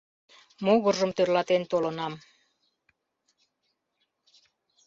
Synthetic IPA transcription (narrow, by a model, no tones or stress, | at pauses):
moɣɤ̆rːɤ̆mt̪ørlɑt̪ent̪olɤ̆nɑm